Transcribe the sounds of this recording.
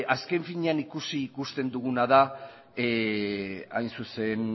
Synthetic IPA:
aske̞ɱfiɲeanikusiːkust̪e̞nd̪uɣ̞unaða | ajnsuse̞n

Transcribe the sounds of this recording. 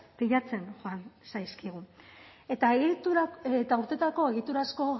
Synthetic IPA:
piʎat͡se̞nxoansajskiɣuet̪aeɣit̪uet̪auɾt̪e̞t̪ako̞e̞ɣit̪uɾasko̞

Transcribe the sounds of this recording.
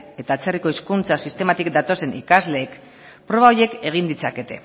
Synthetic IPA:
e̞t̪aːt͡se̞riko̞iskunt͡sasist̪e̞mat̪ikd̪at̪o̞se̞nikazle̞ːk | pɾo̞βaoɾje̞ke̞ɣ̞ind̪it͡sake̞t̪e̞̰

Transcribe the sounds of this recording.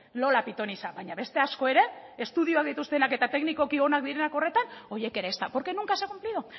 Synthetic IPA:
lo̞lapit̪o̞nisabaɲaβe̞st̪e̞asko̞e̞ɾe̞est̪uð̞ioak̚d̪it̪ust̪e̞nake̞t̪at̪e̞kniko̞kio̞nak̚d̪iɾe̞nako̞re̞t̪ano̞je̞ke̞ɾeːst̪apo̞ɾke̞nuŋkaesaɣumpliðu

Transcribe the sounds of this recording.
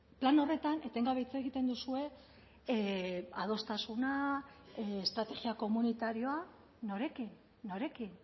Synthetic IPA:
plano̞re̞t̪anʔe̞t̪e̞ŋɡaβejt͡seɣit̪e̞nd̪usue̞ | að̞o̞st̪asuna | est̪ɾat̪e̞ɣiako̞munit̪aɾio̞a | no̞ɾe̞kinː | o̞ɾe̞kin

